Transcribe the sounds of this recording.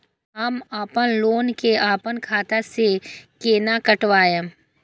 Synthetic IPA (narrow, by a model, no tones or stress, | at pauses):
ɦɐmaːpənloːnkeaːpənkʰaːt̪asekeːnakɐʈʋaːjə̃